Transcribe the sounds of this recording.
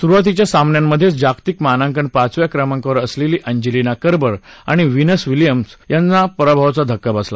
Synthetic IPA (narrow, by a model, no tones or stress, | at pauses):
suɾʋat̪̬it͡ɕjasamnjamːəd̪ʱːjet͡sd͡ʑakt̪ikmanãŋkənpat͡sʋjakɾəmãŋkəʋəɾəsleliːʔəɲd͡ʑilinakəɾbəɾa̰ɽ̃iʋinəsʋilijəmsjant͡sapəɾabʱaʋat͡sad̪ʱəkːabasla̰